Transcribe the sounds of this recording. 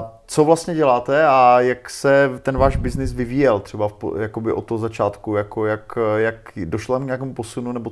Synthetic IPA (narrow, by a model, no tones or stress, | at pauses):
t͡sovlast̪ɲɛɟɛlaːt̪ɛajaksɛt̪ɛnvaːʒbɪznɪsvɪviːjɛlt̪r̝̥ɛbafpjakobɪʔot̪ːoɦozat͡ʃaːt̪kujakojakjakdoʃloamkɲaːkɛːmupo̞sununɛbo